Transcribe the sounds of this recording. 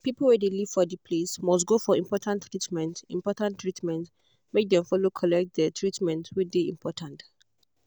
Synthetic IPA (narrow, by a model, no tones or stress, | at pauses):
pipl̩wɛdeliv̥fɔdəpʰlesmɔstɡofɔĩmpʰɔtʰãntːɹitmɛ̃ntĩmpɔtãntɹitmɛ̃nt | mek̚dɛ̃mfɔlokʰɔlɛk̚t̚dɛtʰɹitmɛ̃ntʰwideĩmpʰɔtʰãnt